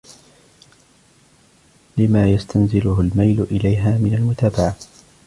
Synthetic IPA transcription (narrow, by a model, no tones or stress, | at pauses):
lɪmaːjast̪anzɪlʊhʊlmajlʊʔɪlajɦaːmɪnalmʊt̪aːbaʕa